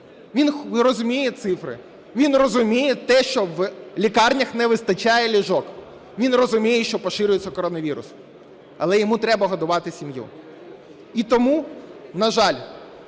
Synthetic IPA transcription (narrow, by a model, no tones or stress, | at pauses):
ʋʲinrɔzʊmʲijɛt̪sɪfɾɪ̰ | ʋʲinrɔzʊmʲijɛt̪ɛʃt͡ʃɔʋlʲikɑrnʲɐxnɛʋɪst̪ɐt͡ʃɑjɛlʲiʒɔk | ʋʲinrɔzʊmʲijɛʃt͡ʃɔpɔʃɪɾʲʊjet͡sʲːɐkɔɾɔnɐʋʲiɾʊ̰sʊ̥ | ɐ̰lˠɛjɔmut̪ɾɛbɐɦɐd̪ʊʋɑt̪ɪsʲimjṵ | it̪ɔmunɐʒɑlʲ